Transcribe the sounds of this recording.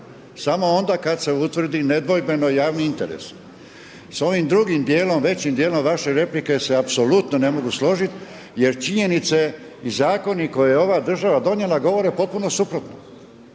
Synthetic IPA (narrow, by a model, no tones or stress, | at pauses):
samo̞o̞nd̪aːkad̪se̞ut̪ʋr̩d̪ine̞d̪ʋo̞jbe̞no̞jaːʋniint̪e̞ɾḛs | so̞ʋimd̪ɾuɡimd̪je̞ːlo̞mʋe̞t͡ɕimd̪jeːlo̞mʋaʃe̞ɾe̞plike̞se̞apso̞lut̪none̞mo̞ɡuslo̞ʒit̪ | je̞ɾt͡ʃiɲe̞nit̪se̞ | izaːko̞niko̞jejeo̞ʋaːd̪r̩ʒaʋad̪o̞njelˠaɡo̞ʋo̞ɾepo̞t̪̚puno̞supɾot̪no